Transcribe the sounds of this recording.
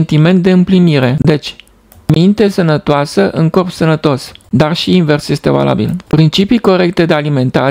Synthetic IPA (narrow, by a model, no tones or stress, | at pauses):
nt̪ime̞nt̪̚d̪e̞ɨmpliniɾe̞d̪e̞t͡ʃʲ | mint̪e̞sənət̪oasəʔɨŋko̞rpsənət̪o̞sd̪arʃiːnve̞rsje̞st̪e̞va̰lʔa̰bḭlpɾint͡ʃipiko̞ɾe̞kt̪e̞d̪e̞alime̞nt̪aɾ